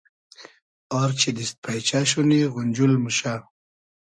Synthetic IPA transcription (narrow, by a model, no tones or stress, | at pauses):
ɔɾt͡ʃʰid̪ist̪̚pʰajt͡ʃaɕ̬uniɣʊnʲd͡ʒulmuʃa